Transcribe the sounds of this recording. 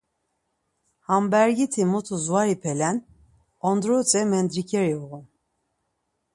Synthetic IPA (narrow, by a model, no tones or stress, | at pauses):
hambæɾɡit̪ʰimut̪ʰuzuaɾipʰɛlɛn | ɔnd̪ɾut͡sʼɛmɛnd̪ɾikʰɛɾiuɣun